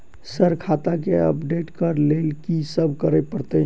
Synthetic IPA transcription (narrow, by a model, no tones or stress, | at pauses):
səɾkʰat̪akeə̰pɖeʈkəɾlelkisəbʱkəɾɛpəɾt̪e